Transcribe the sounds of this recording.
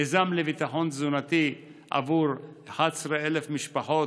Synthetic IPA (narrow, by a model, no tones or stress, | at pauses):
ezamlevit̪aħo̞nzunat̪i | ʔa̰vuɾ | ħasɾeelefmiʃpaħo